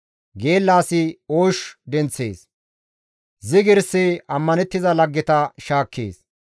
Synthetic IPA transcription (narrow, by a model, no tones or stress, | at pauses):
ɡe̞ːlːaːsɪoːʃd̪ɛnt͡sːḛːs | zɪɡɪɾseɐmːɐnɛt̪ːɪzɐlɐɡːɛt̪ɐʃaːkːḛːs